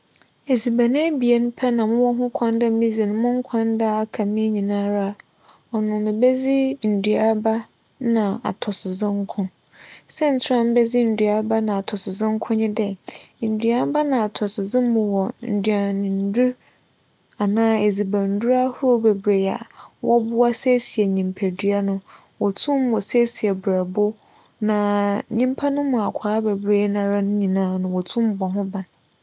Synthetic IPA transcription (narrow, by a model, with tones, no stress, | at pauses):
e˨zi˨ba˨nɪ̃˦bi˨e˦nʊ̃˦pʰɛ˦nã˨mʊ̃˦wɔ˦ɦʊ̃˦kʷʰã˦n˦da˦mĩ˦zi˨nʊ̃˨˦mʊ̃˦ŋ˦kʷʰã˦nda˦a˨kʰa˨mĩ˦ɲĩ˨nãː˦ɾa˦˨ | ɔ˨nʊ̃˨nɪ̃˨bɛ˦zi˦n̩˨dɥa˨˦ba˦ | nã˨a̰˨tʰɔ˨sɪ˨zɪ̃˦ŋ˦kʰʊ̃˦ | sɛ˦n̩˨tʰɪ˦ɾã˦˨m˦bɛ˦zi˦n̩˨dɥa˨˦ba˦nã˨a˨tʰɔ˨sɪ˨zɪ̃˦ŋ̩˦kʰʊ̃˦ɲɪ̃˦dɛ˦˨n̩˨dɥa˦ba˦nã˨a˨tʰɔ˨sɪ˨zɪ̃˦m˦mʊ̃˨wɔ˨n̩˨dɥa˨nɪ̃˨n̩˦du˦ | a˨nãː˦e˨d͡zi˨ba˨n̩˨˦du˦ɾa˦hʊ˦ɾo˦be˨bɾe˨a̰˨wʔɔ˦bʊ˦a˦se˦si˨ɛ˨ɲĩ˨m˨pʰæ˨dɥa˦nʊ̃˦ | wɔ˨tʰũ˦m˦wɔ˨se˦si˨ɛ˨bɾa˨bʊ˦ | nã˨ɲĩ˦m˦pʰa˦nʊ̃˦mʊ̃˨a˨kʷʰaː˨˦be˨bɾe˦nã˨ɾa˦nʊ̃˦ɲĩ˨nãː˨˦nʊ̃˨wɔ˨tʰũ˦m˦bɔ˨ɦʊ̃˦bã˨n